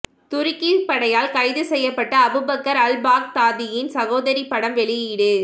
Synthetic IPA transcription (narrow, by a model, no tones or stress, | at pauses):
t̪ʊɾɪkːɪpɐɽɐjaːlkɐɪðɯsɛjːɐpːɐʈːɐːbɯbɐkːɐɾɐlbaːk̚t̪aːðɪjɪnsɐɣoːðɐɾipːɐɽɐmʋɛɭɪjɪɽɯ